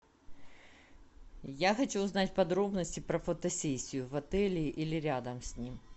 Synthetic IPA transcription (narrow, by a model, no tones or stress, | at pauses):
jaxɐt͡ɕuːznatʲpɐd̪ɾobnəsʲtʲɪpɾɐfɐt̪ɐsʲesʲːijʊvɐt̪ɛlʲɪːʔilʲɪɾʲad̪ɐmsʲnʲim